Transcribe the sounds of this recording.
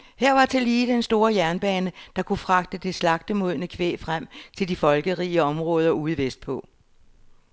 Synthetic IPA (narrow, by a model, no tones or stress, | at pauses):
heɐ̰ʋɑ̈t͡sʰe̝liːd̥ensd̥o̝ːɐjæɐnb̥ɛːnəd̥ɑ̈kʰufʁɑ̈ɡ̥d̥əd̥e̝slɑ̈ɡ̥̚d̥əmuð̰ˠnəkʰʋḛːfʁam̰t͡sʰe̝ld̥ifɒ̽lɡ̥əʁḭːəɒ̽mʁɔ̽ːð̞ˠɐuːð̩ˠʋesd̥̚pʰɔ̽